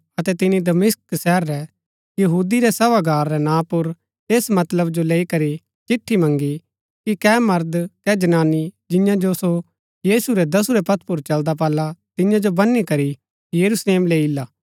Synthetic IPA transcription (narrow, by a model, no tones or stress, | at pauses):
ɐt̪ɛt̪ɪnid̪ɐmɪsksɛːɾːɛ | jɐɦuːd̪iɾɛsɐʋaɡaːɾːɛnãːpʊɾ | eːsmɐt̪ləbd͡ʒoleːikɐɾi | t͡ʃɪʈʰːimɐ̃ŋɡi | kikɛmɐɾd̪kɛd͡ʒɐnaːnid͡ʒɪjãd͡ʒoso | jiːsuɾɛd̪ɐsuɾɛpɐt̪ʰpʊɾt͡ʃɐld̪ap̬ɐːlat̪ɪjãd͡ʒobɐnːikɐɾi | jɐɾusleːmleːɪlːaː